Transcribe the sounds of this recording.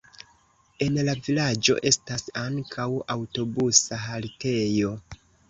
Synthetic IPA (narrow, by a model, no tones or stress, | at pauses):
e̞nlavilad͡ʒo̞̰ʔe̞stasaŋkʰawawto̞busaɦalte̞jo̞